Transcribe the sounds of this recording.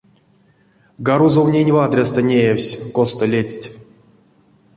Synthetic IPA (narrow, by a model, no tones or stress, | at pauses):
ɡaɾuzovnʲenʲvad̪ɾʲest̪ənʲejewsʲkost̪əlʲet͡sʲtʲ